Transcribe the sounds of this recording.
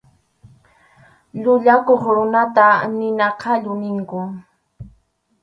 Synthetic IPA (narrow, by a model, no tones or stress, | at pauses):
ʎʊʎakoχɾʊnat̪anɪnɑqʰɑʎʊnɪŋkʊ